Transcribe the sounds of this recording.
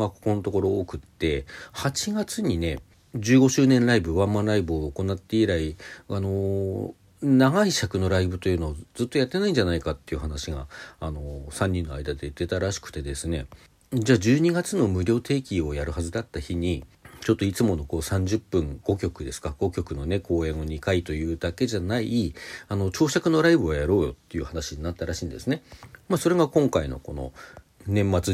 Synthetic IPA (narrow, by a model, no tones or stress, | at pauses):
makoko̞not̪o̞ko̞ɾo̞okɯ̟t̪ːe̞hat͡ɕiɡat͡sɨɲ̟ine̞ | d͡ʑɨːɡo̞ɕɨːnẽ̞nɾaibɯ̟βãmːãɾaibɯ̟oːko̞nat̪ːe̞iɾaiano̞ | naɡaiɕakɯ̟no̞ɾaibɯ̟t̪o̞jɯ̟ːno̞ːd͡zɨt̪ːo̞jat̪ːe̞naĩɲ̟d͡ʑanaikat̪ːe̞jiɯ̟ɦanaɕiɡaːno̞sãɲ̟ːĩnːo̞a̰id̪ad̪e̞d̪e̞t̪aɾaɕi̥kɯ̟̥t̪e̞d̪e̞sɨne̞̰ | d͡ʑaːd͡ʑɨːɲ̟iɡat͡sɨno̞mɯ̟ɾʲo̞ːt̪ʰe̞ːkʲio̞jaɾɯ̟hazɨd̪at̪ːaçiɲ̟it͡ɕo̞t̪ːo̞it͡sɨmo̞no̞ko̞ːsãɲ̟d͡ʑɨpːɯ̟̃ŋɡ̥o̞kʲo̞kɯ̟d̪e̞sɨ̥kaɡ̥o̞kʲo̞kɯ̟no̞ne̞kʰo̞ːẽ̞ɰ̃o̞ɲ̟ikait̪o̞jɯ̟ːd̪ake̞ʑanaiiano̞t͡ɕo̞ːɕakɯ̟no̞ɾaibɯ̟βajaɾo̞ːjo̞t̪ːe̞jɯ̟hanaɕiɲ̟inat̪ːaɾaɕĩːnd̪e̞sɨne̞maːso̞ɾe̞ɡakõ̞ŋkaino̞̰ko̞no̞̰ | nẽ̞mːat͡sɨ